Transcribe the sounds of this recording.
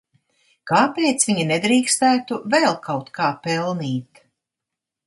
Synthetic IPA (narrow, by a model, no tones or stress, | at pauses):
kaːpɛːt̪svʲiɲinɛd̪ɾiːkst̪æːt̪uvɛlˠkʰawt̪kaːpɛlˠniːt̪